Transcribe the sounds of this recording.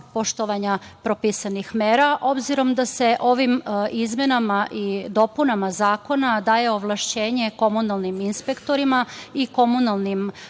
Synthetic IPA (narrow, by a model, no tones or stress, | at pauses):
po̞ʃt̪oʋaɲapɾopisanixmeːɾaʔo̞bziɾo̞md̪ase̞ʔo̞ʋimizme̞namaʔid̪o̞punamazaːko̞nad̪aːje̞oʋlˠaʃt͡ɕe̞ːɲe̞ko̞munalˠniminspe̞kt̪o̞ɾimaiko̞munalˠnim